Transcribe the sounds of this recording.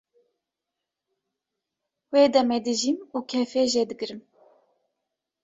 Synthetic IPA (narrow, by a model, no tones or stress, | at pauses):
weːd̪ɛmed̪ɨʒimuːkʰɛfeːʒed̪ɨkɨɾɨm